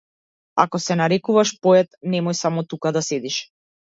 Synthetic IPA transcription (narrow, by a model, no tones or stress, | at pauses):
a̰kɔsɛnaɾɛkuvaʃpɔɛt̪̚nɛmɔjsamɔt̪ukad̪asɛd̪iʃ